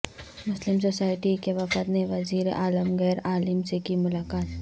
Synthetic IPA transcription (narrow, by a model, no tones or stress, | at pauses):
mʊslɪmsoːsaːɪʈikeʋɐfət̪neʋɐziːɾḛʔaːləmɣɛːɾaːlɪmsekimʊlaːkaːt̪